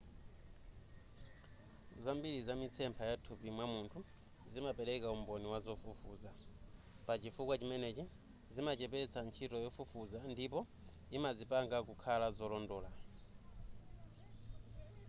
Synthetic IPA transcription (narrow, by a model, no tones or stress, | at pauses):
zambiɾizamit͡sʰɛmpʰajatʰupimwamuntʰu | zimapɛɾɛkaumbɔniwazɔfufṵːza | pat͡ʃifukwat͡ʃimɛnɛt͡ʃi | zimat͡ʃɛpɛt͡sʰant͡ʃʰitɔjɔfufuzandip̬ɔ | imazipaŋɡakukʰalazɔlɔndɔːla